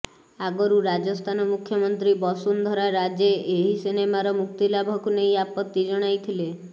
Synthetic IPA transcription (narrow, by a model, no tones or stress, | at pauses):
aɡɔɾuɾad͡ʒɔst̪ʰanɔmukʰjɔmɔnt̪ɾibɔsund̪ʱɔɾaɾad͡ʒeʔeɦisinemaɾɔmuk̚t̪ilabʱɔkunejapɔt̪ːid͡ʒɔɽ̃ajt̪ʰile